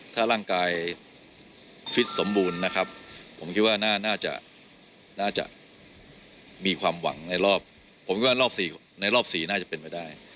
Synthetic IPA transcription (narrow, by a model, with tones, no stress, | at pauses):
t̪ʰaː˥˩ɾaː˥˩ŋkaː˧j | t͡ɕʰwi˦˥t̪̚so˩˦mbuː˧nːa˦˥kʰa˦˥p̚pʰo˩˦mkʰi˦˥t̪̚waː˥˩naː˥˩naː˥˩t͡ɕa̰˨˩ʔ | naː˥˩t͡ɕa̰˨˩ʔ | miː˧kʰwaː˧mwa̰˩˦ŋna˧jɾɔː˥˩p̚ʰː | o˨˩˦mk̪̚ʰwaː˥˧lɔː˥˩siː˨˩ | na˧jlɔː˥˩p̚siː˨˩naː˥˩t͡ɕa˨˩pe˧nmpa˥˩jdaː˥˩j